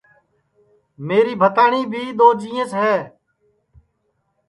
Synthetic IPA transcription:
meːɾiːbʱət̪aːɳiːbʱiːd̪oːd͡ʒiːə̃sɦɛː

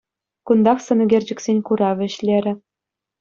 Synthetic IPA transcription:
kund̪ɑχsɤ̆nɤ̆ɡʲerʲd͡ʑɘ̆ksʲenʲkuɾɑʋʲɘ̆ɕlʲeɾʲɘ̆

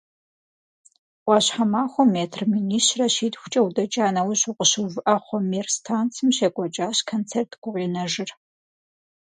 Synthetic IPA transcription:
qʷɑːɕħamaːχʷɔmːeːtʰrminiːʃrɐʃiːdxʷʊ̥t͡ʃʼɐwdɐt͡ʃʼaːnɐwɕuqʷʼəɕɨvɨʔɐχʷɔmeːrstʰaːnt͡sʰɨmɕekʷʼɐt͡ʃʼaːɕkʰont͡sʰeːrtʰɡʷʊʁʷinɐʒɨr

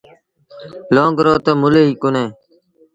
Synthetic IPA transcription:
loːŋɡɾoːt̪eːmʊleːiːkʊnẽː

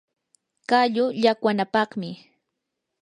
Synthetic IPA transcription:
kaʎʊʎakwanapɑχmɪ

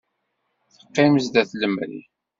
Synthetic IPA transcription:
θə̥qːɪməzd̪æθləmə̰l

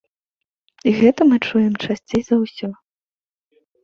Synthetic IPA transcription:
iɣɛt̪ɐmɨt͡ʂujɛmt͡ʂasʲt͡sʲejzɐwsʲɔ

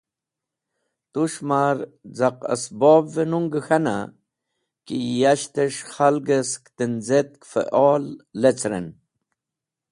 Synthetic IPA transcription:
t̪uʂmaɾzaqɐ̰sboːbvenuŋɡəxana̰ | kijaɕt̪eʂχalɡeskt̪inzet̪̚kfḛʔoːlːet͡sɾḛn

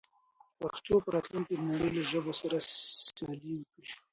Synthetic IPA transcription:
paxt̪opəɾɑt̪luŋked̪əmaɽeloʒəbosaɾaaliwəkɽi

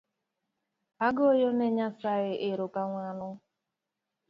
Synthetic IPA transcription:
aɡojoneɲasaɣɪʔɪɾokaŋʷanʊ

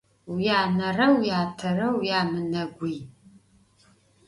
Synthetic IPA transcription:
wjaːnɐrɐwjaːtʰɐrɐwjaːmɨnɐɡʷij

